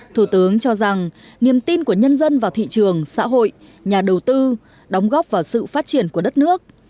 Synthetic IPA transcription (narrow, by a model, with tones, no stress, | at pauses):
t̪ʰu˧˩t̪ɨ˨˦əŋt͡ɕɔ˧za˨˩ŋ | ni˨˩əmt̪i˧nku˧˩əɲə˧nzə˧nvaː˨˩wt̪ʰḭ˧˨t͡ɕɨ˨˩əŋsa̰ː˧˥ɦo̰˧˨j | ɲaː˨˩ɗə˨˩wt̪ɨ˧ | ɗɔ˨˦wŋ͡mɣɔ˦˥p̚vaː˨˩wsɨ̰˧˨faː˦˥t̚t͡ɕi˧˩ənku˧˩əɗə˦˥t̚nɨ˦˥ək̚